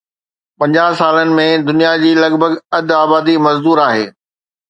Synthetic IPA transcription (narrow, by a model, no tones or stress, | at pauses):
pɐ̃ɲd͡ʑaːɦsaːlənɪ̆mẽd̪ʊnijad͡ʑiːlɐɡbʱəɡɐd̪ʱaːbaːd̪imɐzd̪uːɾaːɦḛː